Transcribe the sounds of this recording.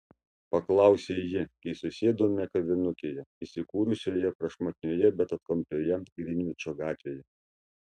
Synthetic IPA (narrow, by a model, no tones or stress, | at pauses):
pɐklˠɑˑʊsʲeːjɪkɐɪsʊsʲeːd̪oːmʲɛkɐʋʲɪnʊkʲeːjɛisʲɪkuːɾʊsʲoːjɛpɾɐʃmot̪ʲɪnʲoːjɛbʲɛt̪ɐt̪kɐmʲpʲlʲoːjɛɡɾʲɪnʲʋʲɪt͡ʃʲoːɡɑːt̪ʲʋʲeːjɛ